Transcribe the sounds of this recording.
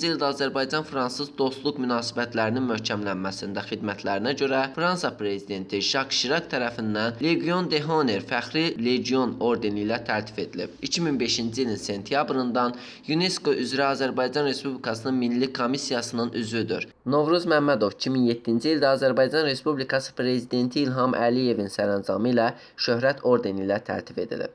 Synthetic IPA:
d͡ʒiilʲˠd̪æːzæɾbɑjd͡ʒɑnfɾɑnsɯzd̪o̞st̪lˠukmynɑːsibæt̪læɾininmøhcʰæmlænmæsind̪æxid̪mæt̪ʰlæɾinæɟø̞ɾæfɾɑnsɑpɾe̞zid̪e̞nt̪ʰiʃɑkʃiɾɑkt̪ʰæɾæfind̪ænle̞ɡijo̞nd̪e̞ɦo̞neɾfæxɾile̞ɟio̞no̞ɾd̪e̞nijlæt̪ʰæɾt̪ʰi̥fe̞d̪ilḭb̥icʰiminbe̞ʃind͡ʒiilinse̞nt̪ʰijɑbɾɯnd̪ɑn | june̞sko̞ʔyzɾæɑːzæɾbɑjd͡ʒɑnɾe̞spublikʰɑsɯnɯnminlːikʰo̞misijɑsɯnɯnʔyzvyd̪y̰ɾ | no̞vɾuzmæmːæd̪o̞vi̥cʰiminje̞t̪ʰːind͡ʒiild̪æɑːzæɾbɑjd͡ʒɑnɾe̞spublikʰɑsɯ̥pʰɾe̞zid̪e̞nt̪ʰiːlɦɑmʔæ̰lije̞vinsæɾɑnzɑ̰mɯlæ | ʃø̞ɦɾæt̪ʰo̞ɾd̪e̞nilæt̪ʰæ̰ɾt̪ʰi̥fe̞d̪ḭlḭb̥̚

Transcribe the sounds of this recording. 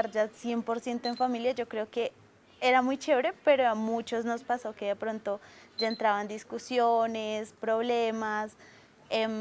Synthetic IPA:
aɾd͡ʒasje̞mpoɾsje̞nt̪oe̞ɱfamiljad͡ʒo̞kɾe̞oke̞ | eɾamujt͡ʃeβɾe̞pe̞ɾoamut͡ʃo̞zno̞spaso̞keðepɾo̞nt̪o̞d͡ʒaent̪ɾaβand̪iskusjonespɾo̞βle̞mas | e

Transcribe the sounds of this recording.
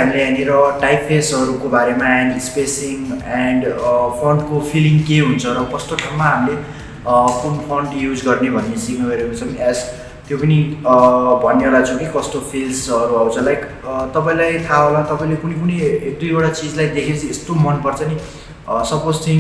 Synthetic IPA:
ɦamileɦaneɾʌʈajppʰːesʌɾukobaɾemaɛnɖspesiŋɛɳɖpʰʌɳɖkopʰiliŋkeɦunt͡sʰʌɾʌkʌst̪oʈʰammaɦamile | punpʰʌɳɖjud͡zɡʌrnebʱʌnːesiknʌɡʌɾekot͡sʰʌŋɛz | t̪jopʌni | bʱʌnːeolat͡sʰʌ̃w̃kʰikʌst̪opʰilsʌɾuʌwt͡sʰʌlaj | t̪ʌpaĩlajt̪ʰaɦolat̪ʌpaĩlekunekunejek̚d̪ujbʌɽat͡sid͡zlajd̪ekʰet͡sʰiest̪omʌnpʌrt͡sʰʌni | sʌpod͡zt̪i

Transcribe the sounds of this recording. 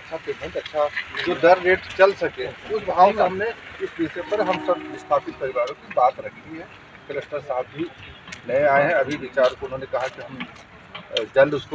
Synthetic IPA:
ɐtːʃʰat̪ebʱɐːt̪ɐtːʃʰad͡ʒoːd̪ɐɾːeːʈt͡ʃɐlsɐkẽːʊsbʱaːʋomeɦɐmneɪsbiːsepɐɾɦɐmsɐbɪst̪ʰaːpɪt̪̚pɐɾɪʋaːɾõkibaːt̪ɾɐk̪ʰiɦɛ̃ː | kɐlekʈəɾsaːt̪̚ʰbʱinɐẽaːeɦɛ̃ɐbʱiʋɪt͡ʃaːɾkoʊnɦõːnekɐɦakiɦɐm | d͡ʒɐlʊsko

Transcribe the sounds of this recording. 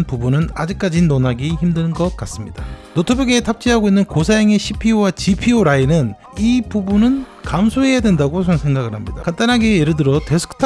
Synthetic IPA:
npubunɯna̰d͡ʑik̚k͈ad͡ʑinonaɡiçimdɯnɯnɡʌk͈as͈ɯmɲid̥anotʰobuɡe̞tʰap̚t͡ɕ͈iɦaɡoinːɯnkosʰajʌŋe̞ɕʰipʰiowat͡ɕipʰioɾainɯn | ipubunɯnkamsʰoɦe̞jadwe̞ndaɡosʌsʰe̞ŋɡaɡɯɭhamɲidakant͈anɦaɡe̞jeɾɯɭdɯɾʌte̞sʰɯ̥kʰɯ̥tʰ

